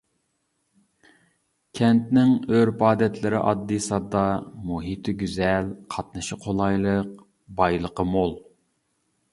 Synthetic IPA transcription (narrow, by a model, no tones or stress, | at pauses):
kʲʰɛnt̪nɪŋøɾpɑːd̪ɛt̪ʰlɪɾɪʔɑ̰d̪ːɨsɑd̪ɑmuɦit̪ʰɪɡʲyzɛlqʰɑt̪nɨʃɪqʰolˠɑjlˠəq̚ | bɑjlˠəqəmolˠ